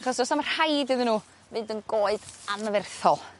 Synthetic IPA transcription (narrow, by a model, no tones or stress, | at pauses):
χɔsɔsamər̥hajdɪðɪnuː | vɨdənɡoːɨd̥anəvɛrθɔlˠ